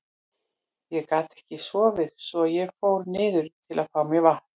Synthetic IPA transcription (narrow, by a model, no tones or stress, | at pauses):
jɛɣkaːt̪ɛ̥hcɪsvɔvɪðsɔjɛɣfoːwɾnɪːðʏɾ̥t̪ʰɪlaðfawmjɛɣvaht̪